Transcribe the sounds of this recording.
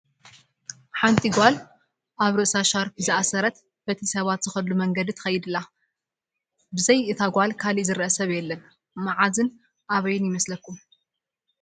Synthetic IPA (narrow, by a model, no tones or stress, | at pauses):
ħant̪ʼiɡʷal | ʔaβɾɨʔsaʃaɾfɨzɨʔasɐɾɐt̪ | b̥ɐt̪ʰisɐβat̪z̥ɨxɐd̪lumɐŋɡɐd̪it̪ʰɐ̥xɐjːɪd̪ɨlːa | bɨzɐjɨt̪ʰaɡʷalkʰaliʔzɨɾʔɐsɐβjɛlːɐn | maʕazɨn | ʔaβɐjɪnjɪmɐslɐkʰːum